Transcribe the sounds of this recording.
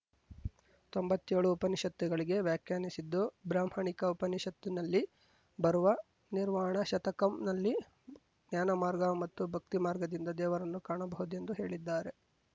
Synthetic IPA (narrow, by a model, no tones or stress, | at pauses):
t̪o̞mbɐt̪ːeːɭuːpɐniʃɐt̪ːuɡɐɭiɡe̞ʋjaːkʰjaːnisid̪ːobɾaːmhɐɳikɐupɐniʃɐt̪ːinɐlːi | bɐɾuʋɐ | niɾmaːɳɐʃɐt̪ɐkɐmnɐlːi | ɡnnjaːnɐmaːɾɡɐmɐt̪ːubʱɐk̚t̪imaːɾɡɐd̪ind̪ɐd̪ɛːʋɐɾɐnːukaːɳɐbɐɦud̪ue̞nd̪uɦe̞ːɭid̪ːaːɾe̞